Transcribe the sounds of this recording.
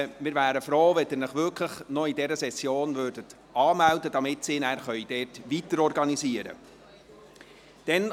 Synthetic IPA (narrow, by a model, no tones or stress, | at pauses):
mɪːɾvæːɾəfɾoːʋɛdɪɾnəχʋʏkʰləχnɔidɛɾəsɛsjoːnvøːɾdət | ɑːmældədɑmɪtsɪːnæːɾχœʏd̥ɛːtʋitəɾɔɾɡɑniziːəɾə̰ | d̪̥ɛn